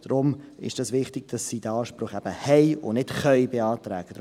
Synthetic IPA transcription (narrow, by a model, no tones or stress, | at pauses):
d̥rʊm | ɪ̰ʃd̥ɑsʋɪχtɪɡ̥̚d̥ɑsːid̥əɑːʃpɾʊχɛb̥əhɛjʊ̰nɪtχœʏbeɑːtɾɛ̰ːɡ̥əd̥